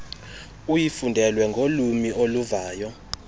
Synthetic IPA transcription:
ujifundʱɛlwɛŋɡʱolumiʔoluvaːjɔ

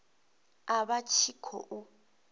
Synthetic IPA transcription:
aβat͡ʃʰikʰɔ̰ʔʊ

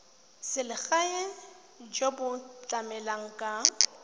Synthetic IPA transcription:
sɪlɪɣaɛ | d͡ʒobʊt͡ɬʼamɛlaŋ̩kʼa

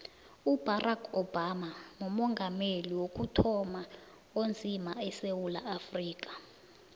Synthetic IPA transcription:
ub̥arʔakʰɔb̥amaŋumɔŋɡʱameliwok̬ʼutʰɔma | ond͡zʱimaɛsewulaːfriːk̬ʼḁ

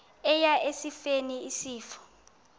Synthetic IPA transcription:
ɛjaʔesifeniisiːfɔ̥

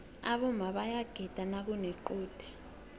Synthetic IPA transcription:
aɓɔmʱaɓajaɡ̥ʱɛd̥ʱanaɓunɛǃuːd̥ʱɛ̥

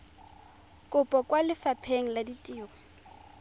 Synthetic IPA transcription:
kʼʊpʼɔkʼwalɪfapʰeŋ̩laditʼiːɣɔ

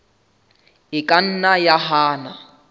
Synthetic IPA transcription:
ɪkʼan̩najaɦaːna

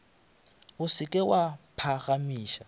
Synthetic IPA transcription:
ʊsɪkʼɛwapʰaɣamiːʃa

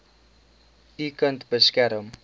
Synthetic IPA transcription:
dikəntbəskæɾəm

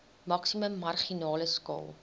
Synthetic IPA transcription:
mɐksiməmːɐrχinɑːləskɑ̰ːlˠ

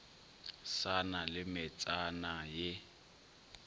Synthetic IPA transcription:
sanalɪmɪt͡sʼanajɪ

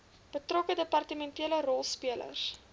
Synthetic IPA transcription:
b̥ətrɔkədəpɐrtəmɛntiələrɔlˠspiələ̰rs

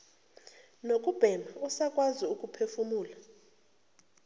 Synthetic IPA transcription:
nokʼub̥ʱɛmausakʼwaziukʼupʰefumuːla

